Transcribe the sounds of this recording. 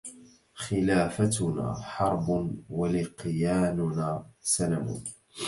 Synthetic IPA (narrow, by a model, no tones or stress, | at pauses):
xɪlaːfat̪ʊna̰ːħɑɾˤbʊwalɪqjaːnʊnaːsalamʊ̰ːn